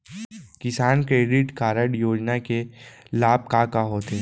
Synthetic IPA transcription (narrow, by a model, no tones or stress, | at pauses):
kɪsaːnkɾeːɖɪʈkaːɾəɽjoːd͡ʒnakelaːb̚kakaɦoːt̪eː